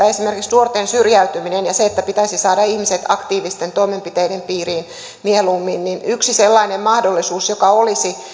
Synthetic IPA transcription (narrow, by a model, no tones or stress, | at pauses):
æesimerkiksnuort̪ensyrjæyt̪yminenjɑseet̪ːæpit̪æisisɑːdɑihmiset̪ɑkt̪iːʋist̪ent̪oimempit̪eidempiːriːn | mielumːinninyksiselːɑinemmɑhdolːisuːsjokɑolisi